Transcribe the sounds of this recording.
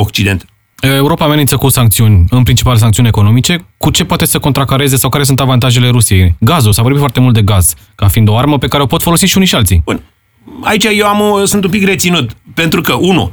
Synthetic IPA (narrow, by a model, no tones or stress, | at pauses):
okt͡ʃid̪e̞nt̪ | ee̞uɾo̞paːmenint̪səkusaŋk̚t̪siunʲɨnpɾint͡ʃi̥palesaŋkt̪siuneko̞no̞mit͡ʃe̞kut͡ʃe̞pwat̪esəkont̪ɾakaɾe̞ze̞sawkaɾesunt̪avant̪aʒe̞le̞ɾusije̞jɡazulsavorbifwart̪e̞mult̪d̪e̞ɡaz̥ | kafind̪o̞arməpe̞kaɾeo̞po̞t̪fo̞lo̞siʃiunijʃialt̪sḭbṵn | a̰it͡ʃajewamsunt̪umpikre̞t̪sinut̪pe̞nt̪ɾukəʔunṵ